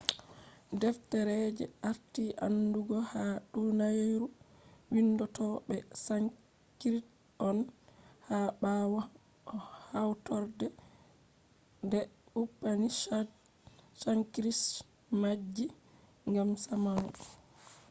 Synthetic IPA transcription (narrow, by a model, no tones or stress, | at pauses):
dɛftɛɾɛd͡ʒɛ̰aɾtiʔa̰nduɡɔhaɗunajɾuwinːdɔtɔɓɛsa | kɾit | ɔnhaɓawa | hawtɔɾdɛ | ndɛɓupːani | saŋkɾis | mad͡ʒːi | ŋɡamsamanṵ